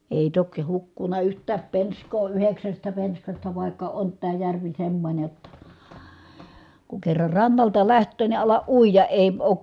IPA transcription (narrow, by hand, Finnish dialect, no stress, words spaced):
eˑi tokĭ hukːunˑɑ yhtˑæːp penskˑoː yheksæstæ penskɑstɑ ʋɑˑikːɑ ont tæː jærʋi semːonʲe jotːɑ ku kerːɑr rɑnːɑltɑ læhtˑøː ni ɑlɑʔ ʔuijɑ eˑi̯ oːk